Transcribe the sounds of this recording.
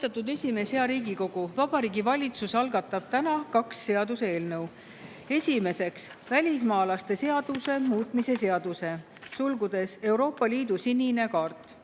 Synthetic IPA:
st̪ɑt̪ːˑud̪e̞sʲime̞sheɑɾiːɡiko̞ɡ̥uvɑb̥ɑɾiːɡivɑlʲit̪susɑlɡɑt̪ːˑɑb̥̚t̪ænɑkɑksːe̞ɑd̪use̞ːlnɤw | e̞sʲime̞se̞ksvælʲismɑːlɑst̪e̞se̞ɑd̪̥use̞muːt̪ˑmise̞se̞ɑd̪̥use̞ | sulɡud̪̥e̞se̞wɾo̞ːpːˑɑlʲiːd̪usinʲːine̞kɑrt̪ːˑ

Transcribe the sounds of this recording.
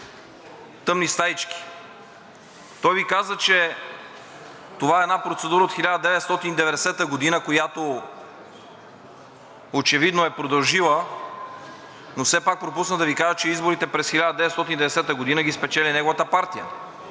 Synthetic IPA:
t̪ɤmnist̪ait͡ʃki̥ | t̪ɔjvikazət͡ʃɛ | t̪ovaɛːd̪napɾot̪sɛd̪uɾəot̪xilʲad̪əd̪ɛvɛt̪st̪ɔt̪inid̪ɛvɛd̪ɛsɛt̪əɡod̪inəkojat̪o | ot͡ʃɛvid̪noɛpɾod̪ɐlˠʒilˠə | nofsɛpak̚pɾopusnəd̪ɐvikaʒət͡ʃɛizboɾit̪ɛpɾɛsxilʲad̪əd̪ɛvt̪st̪ɔt̪ind̪ɛvd̪ɛsɛt̪əɡod̪inəɡispɛt͡ʃɛlinɛɡovət̪əpaɾt̪ijə̰

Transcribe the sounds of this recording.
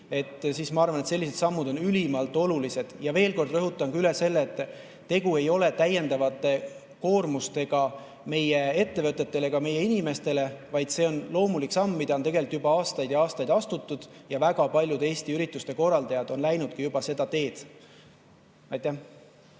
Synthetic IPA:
e̞t̪ːˑsiːsmɑɑrvɑne̞t̪se̞lːise̞d̪sɑmːud̪o̞nylʲimɑlt̪ːˑo̞lulise̞d̪̥jɑve̞ːlko̞rd̪̥rɤɦut̪ːˑɑŋkylese̞lːeːt̪ːˑ | t̪e̞ɡue̞jo̞le̞t̪æje̞nd̪ɑvɑt̪ːˑe̞ | ko̞ːrmust̪e̞ɡ̥ɑ | me̞jee̞t̪ːe̞vɤt̪ːˑe̞t̪ːe̞le̞ɡ̥ɑme̞jːe̞inime̞st̪e̞le̞vɑjd̪̥se̞o̞nlo̞ːmulikːsɑmːid̪ɑot̪e̞ɡe̞lt̪ːjub̥ɑɑːst̪ɑjd̪̥jɑɑːst̪ɑjd̪ɑst̪ut̪ːˑud̪̥jɑvæɡɑpɑlʲjud̪e̞ːst̪iyɾit̪ˑːust̪e̞ko̞rːɑld̪ɑjɑd̪̥o̞nlæjnud̪̥̚kijub̥ɑse̞d̪̥ɑt̪e̞ːd̪̥ | ɑjt̪ːˑæh

